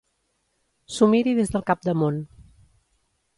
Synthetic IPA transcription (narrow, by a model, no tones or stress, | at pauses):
sumiɾiðezðəlˠkap̚d̪əmon